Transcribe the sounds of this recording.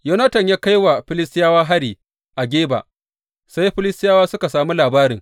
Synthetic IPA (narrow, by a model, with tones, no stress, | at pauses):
jo˦nɐ˦tɐ˨ɲjaː˦ka˦jwa˨ɸɪ˦lɪ˦stɪ˦jaː˦waː˦ɦa˦ɽiː˨ | ʔa˨ɡʲeː˦ba̰˨ | sa˦jɸɪ˦lɪ˦stɪ˦jaː˦waː˦sʊ˦ka˨saː˨mu˦laː˨baː˦ɾɪ˨ŋ